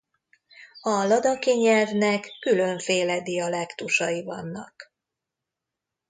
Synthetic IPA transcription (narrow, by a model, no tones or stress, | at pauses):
ɒlɒd̪ɒkiɲɛlvnɛkːylø̞ɱfeːlɛd̪iɒlɛkt̪uʃɒjivɒnːɒ̰k